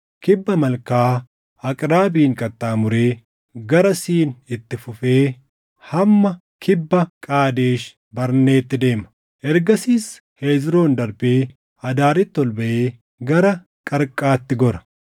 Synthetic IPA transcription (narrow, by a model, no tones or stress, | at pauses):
kɪbːɐmɐlkaː | ɐkʼɾaːbiːŋkʼɐt̪ʼːaːmʊɾe̞ː | ɡɐɾɐsiːnɪt̪ːɪfʊfe̞ː | hɐmːɐ | kʰɪbːɐkʼaːd̪e̞ːʃ | bɐɾne̞ːt̪ːɪd̪e̞ːmɐ̥ | ʔɛɾɡɐsiːs | he̞ːd͡ʒɾo̞ːnd̪ɐɾbeː | ɐd̪aːɾɪt̪ːɔlbɐʔe̞ː | ɡɐɾɐ | kʼɐɾkʼaːt̪ːɪɡɔɾɐ